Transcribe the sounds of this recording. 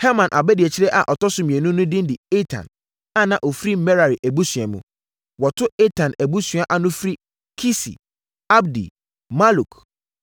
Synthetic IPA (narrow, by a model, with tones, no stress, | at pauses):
hɛ˦mã˨nʔa˨bɛ˦di˨ɛ˨t͡ɕʰɪ˦ɾɛ˦ʔa̰˨ʔɔ˨tɔ˦sʊ˨˦mĩ˨ɛ˨nũ˦nʊ̃˦dĩ˦dɪ˨e˦tʰã̰˨n | ã˦nã˨ʔɔ˨fɾi˦mɛ˦ɾa˨ɾi˨ʔæ˨bu˦sɥɛ˨mṵ̃˨ | wɔ˨tʰʊ˦ɛ˦tʰã˨næ˨bu˦sɥ̃a˨ʔa˨nʊ̃˦fɾi˦ | kʰi˦sḭ˨ | a˦bdḭ˨ | ma˦lu˨kʰ